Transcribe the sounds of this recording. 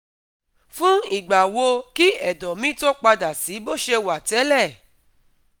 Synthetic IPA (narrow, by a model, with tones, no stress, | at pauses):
fũ˦i˨ɡ͡ba˨wo˧ki˦ɛ˨dɔ˨mĩ˦to˦k͡pa˧da˨si˨˦bo˦˨ʃe˧wa˨tɛ˨˦lɛ˦˨